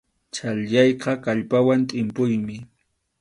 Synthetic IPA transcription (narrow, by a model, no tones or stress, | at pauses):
t͡ʃaljɑjqɑkaʎpawant̪ʼɪmpʊjmɪ